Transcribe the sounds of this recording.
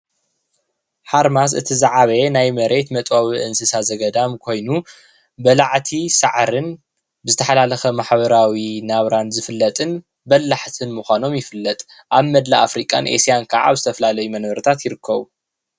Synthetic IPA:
ħaɾmas̬ɨ̰t̪ʰizaʕaβenajmɐɾʔe̞t̪mɐt̪ʼwaβiʔɨnsɨsazɐɡɐd̪amkʰo̞jnu | bɐlaʕt̪ʰisaʕɾɨn | bɨzɨt̪ʰɐħalalɐxɐmaħβɐɾawinaβɾanzɨfɨlːɐt̪ʼɨn | bɐlːaħt̪ʰɨnmuxʷano̞mjɪfɨlːɐt̪ʼ | ʔaβmɐd̪laʔa̰fɾikʼa̰nʔḛsijankʰaʕa̰βzɨt̪ʰɐfɐlalɐjumɐnβɐɾɨt̪ʰat̪jɪɾɨkːɐβu

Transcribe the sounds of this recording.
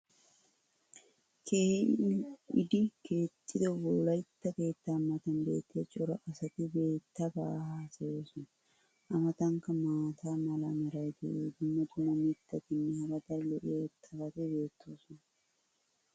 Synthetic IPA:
kʰe | ɪ̰d̪ɪke̞ːt̪ʼːɪd̪ɛboːlɐjɪt̪ːɐke̞ːt̪ːaːmːɐt̪ɐnbe̞̰ːt̪ːɪɐt͡ʃʼʊɾɐʔɐsɐt̪ɪbe̞ːt̪ːɐbaːhasɐjeːsʊn | ʔɐmɐt̪ɐŋkɐmaːt̪ʰaːmɐlɐmɛɾɐjt̪ɪd̪ʊmːɐt̪ʊmomɪt̪ːɐk̪ɪnːɛhɐɾɐt̪ɐlɔʔeːt̪ʰːɐbɐt̪ɪbe̞ːt̪ːoːsʊn

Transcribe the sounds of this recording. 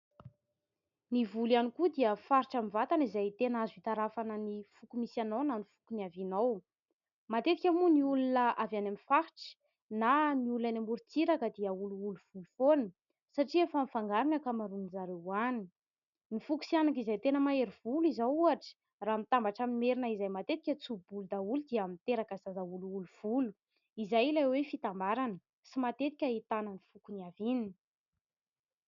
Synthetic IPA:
nivulanikud̪iəfaɾiʈ͡ʂamivat̪anizajt̪enazuit̪aɾafanənifukumisanawnanifu̥kunavinaw | mat̪et̪ikʲamuniulunəavjanamifaɾiʈ͡ʂə̥ | naniulanambuɾit͡siɾakəd̪iəuluuluv̥ulufonə | saʈ͡ʂiafanifaŋɡaɾinakamaɾunizaɾewani | nifuku̥sianakizajt̪enəmaeɾivuluizauaʈ͡ʂə̥ | raːmit̪ambaʈ͡ʂamineɾinəizajmat̪et̪i̥kʲət͡subulud̪aulud̪iamint̪eɾakəzazauluuluv̥ulu̥ | izajilajwefit̪ambaɾanə | simat̪et̪i̥kʲəit̪anənifukuniavinini

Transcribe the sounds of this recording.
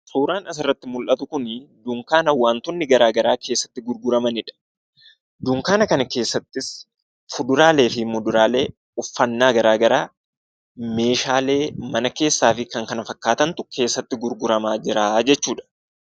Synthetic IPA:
suːɾaːnɐs̬ɪrːɐt̪ːɪmʊlʔɐt̪ʊkʊnd̪ʊŋkaːnɐwaːnt̪ʊnːɪɡɐɾaːɡɐɾaːke̞ːsːɐ̥t̪ːɪɡʊɾɡʊɾɐmɐnɪᶑɐ̥ | d̪ʊŋkaːnɐkɐnɐke̞ːsːɐt̪ːɪs | fʊd̪ʊɾaːle̞ːfɪmːɔd̪ʊɾaːle̞ː | ʊfːɐnːaːɡɐɾaːɡɐɾaː | me̞ːʃaːle̞ːmɐnɐke̞ːsːaːfɪkɐŋkɐnɐfɐkːaːt̪ɐnt̪ʊkʰe̞ːsːɐt̪ːɪɡʊɾɡʊɾɐmaːd͡ʒɪɾaːd͡ʒɛt͡ʃːuːᶑɐ̥

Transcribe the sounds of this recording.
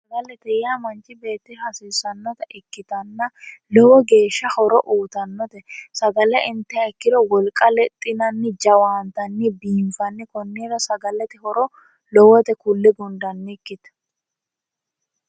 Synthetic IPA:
sɐɡɐlɛt̪ɛjaːmɐnt͡ʃʼːɪbe̞ːt̪ːɪhɐsiːsɐnːɔt̪ɛʔɪkːɪt̪ɐnːɐlɔwɔɡe̞ːʃːɐhɔɾɔʔuːt̪ɐnːɔt̪ɛsɐɡɐlɛʔɪnt̪ːɛɐɪkːɪd̪ɔwɔlkʼɐlɛt̪ʼːɪnɐnːɪd͡ʒɐwaːnt̪ɐnːɪbiːɱfɐnːɪkɔnːiːɾɐsɐɡɐlɛt̪ɪhɔɾɔ | lɔwɔt̪ɛkʊlːɪɡɔnd̪ɐnːɪɪkːɪt̪

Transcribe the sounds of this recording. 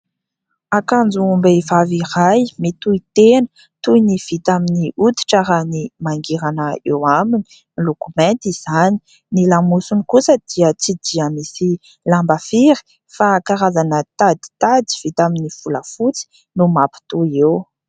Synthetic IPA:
akand͡zuːmbeivavirajmit̪uit̪enə̥ | t̪ujniv̥it̪aminiut̪i̥ʈ͡ʂaɾanimaŋɡeɾanəewamini̥ | ilokumɛ̃nt̪iz̥ani̥ | nilamusunikusəd̪̥iət͡sid̪iəmisi | lambafiɾi̥ | fakaɾazanət̪ad̪i̥t̪ad̪i̥v̥it̪aminiv̥uləfut͡si̥ | numapi̥t̪uew

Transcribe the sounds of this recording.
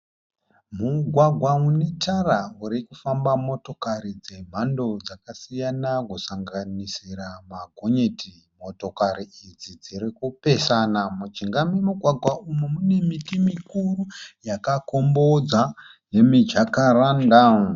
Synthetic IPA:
muɡʱwaɡʱwaune̞tarauɾikufambamo̞to̞kaɾid͡ze̞m̤ando̞d͡zakasijanakusaŋɡanisiɾamaɡʱoɲetʰi | mo̞to̞kaɾiid͡zid͡ziɾikupe̞sanamut͡ʃiŋɡamemuɡʱwaɡʱwaumomune̞mitimikurujakako̞mbo̞d͡za | je̞mid͡ʒakaranda

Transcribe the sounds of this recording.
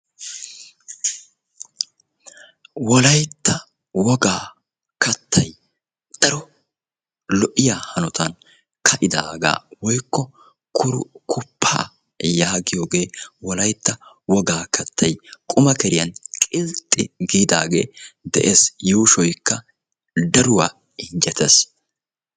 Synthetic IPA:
wɔlɐjt̪ːɐ | wɔɡaː | kɐt̪ːɐj | d̪̥ɐɾɔ | lɔʔɪjaːhɐnɔt̪ʰɐn | kʰɐʔɪd̪a̰ːɡa̰ːwɔjkːɔ | kʰʊɾʊkʰʊpʰːa̰ː | jaːɡɪjoːɡe̞ːwɔlɐjt̪ːɐ | wɔɡaːkʰɐt̪ʰːɐjkʼʊmɐkɛɾɪjɐnkʼɪlt̪ʼːɪɡiːd̪aːɡḛːd̪ɛ̰ʔeːsjuːʃɔjkːɐ | d̪ɐɾʊwaː | ɪnd͡ʒɛt̪ʰɛs

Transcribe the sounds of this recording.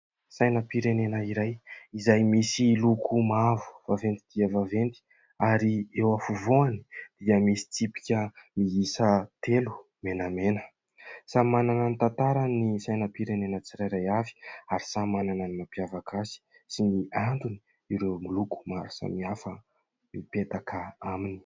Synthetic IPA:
sajnəpiɾenenəiɾajizajmisilukʰumavu̥v̥avend̪id̪̥iəvavent̪i̥ | aɾiewafuvoani̥d̪̥iəmisi̥t͡sipi̥kʲəmiisət̪ʰelu̥ | menamenə̥ | samanananit̪ant̪aɾanisajnəpiɾenenət͡siɾajɾajavi̥aɾisamanananimapijavakasi̥ | siniaɳɖ͡ʐuni̥ | iɾewmuluku̥maɾasə̰miafə | mipet̪akʰəamini̥

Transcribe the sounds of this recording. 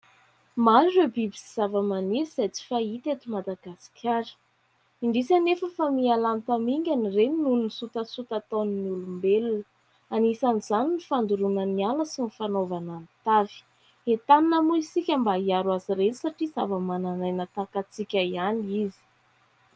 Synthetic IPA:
manɖ͡ʐebibisi̥z̥avəmanisizat͡si̥fait̪et̪umad̪aɡasi̥kʲʰaɾə̥ | iɳɖ͡ʐisanefəfamialanit̪amiŋɡʲanirennuninisut̪əsut̪at̪oniniulumbelunə | anisaniz̥aninifand̪uɾunənialəsinifanovanant̪avi̥ | et̪aninəmuisikʲambaiaɾwaziɾenisaʈ͡ʂiz̥avəmananajnət̪akat͡sikʲaianizi̥

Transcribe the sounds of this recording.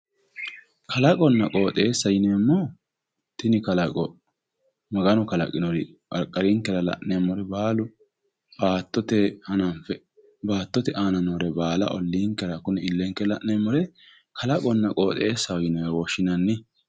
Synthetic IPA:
kɐlɐkʼɔnːɐkʼo̞ːt̪ʼe̞ːsːɐjɪneːmːɔ | t̪ɪnɪkɐlɐkʼɔ | mɐɡɐnɔkɐlɐ̰kʼɪnɔɾɪɐ̰ɾkʼːɐɾiŋkɛɾɐlɐ̰ʔnemːɔɾɛbaːlʊ | baːt̪ːɔt̪ɛhɐnɐmpːɛ | baːt̪ːɔt̪ɛʔaːnɐnoɾɛbaːlɐ̰ʔɔlːiːŋkɛɾɐkʊnɛɪlːɛŋkːɛlɐʔnemːɔɾɛ | kʰɐlɐkʼɔnːɐkʼoːt̪ʼe̞ːsːɐjɪnɔɾɛwɔʃːɪnɐnːɪ

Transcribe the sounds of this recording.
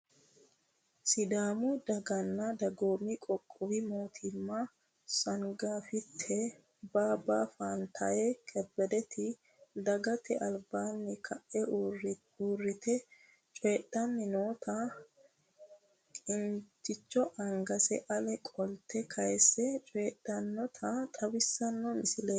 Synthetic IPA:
sɪd̪aːmʊd̪ɐɡɐnːɐd̪ɐɡoːmɪkʼɔkʼːʊwɪmoːt̪ʰɪmːɐ | sɐŋɡaːfɪt̪ʰːɛ | baːbaːfaːnt̪ʰɐjɛkʼɛbːɛd̪ɛt̪ʰɪ | d̪ɐɡɐt̪ʰɛʔɐlbaːnːɛkʰɐʔːɛr | uːrːɪt̪ɛ | t͡ʃʼeːɗːɐnːɪnoːt̪ʰɐ | kʼɪnt͡ʃːɪt͡ʃːɔʔɐŋɡɐsɛ̰ʔɐlɛkʼɔlt̪ːɛkʰɐjsːɛt͡ʃʼeːɗːɐnːɔt̪ʰɐt̪ʼɐbɪsːɐnːɔmɪsɪleː

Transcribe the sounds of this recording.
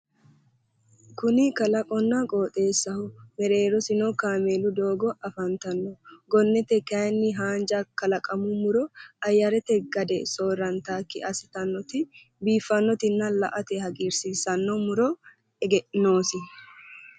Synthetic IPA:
kʊnɪkɐlɐkʼɔnːɐkʼoːt̪ʼe̞ːsːɐhʊmɛɾe̞ːɾɔsɪnɔkaːmeːlʊd̪o̞ːɡɔʔɐfɐnt̪ɐnːɔɡɔnːɛt̪ɛkɐjnːɪɦaːnd͡ʒɐkɐlɐkʼɐmʊmʊɾɔɐjːɐɾɛt̪ɛɡɐd̪ɛso̞ːɾɐnt̪aːkːɪʔɐsɪt̪ɐnːɔt̪ɪ | biːfːɐnːɔt̪ɪnːɐlɐʔɐt̪ɛhɐɡiːɾsisɐnːɔmʊɾɔ | ɛɡɛʔno̞ːsɪ

